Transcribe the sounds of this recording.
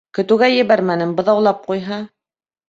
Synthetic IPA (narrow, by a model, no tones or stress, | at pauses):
kɵ̆t̪ɘ̆ɡæjɘ̆βæɾmænɘmbɤ̆ðɑwlˠɑp̚qujɦɑ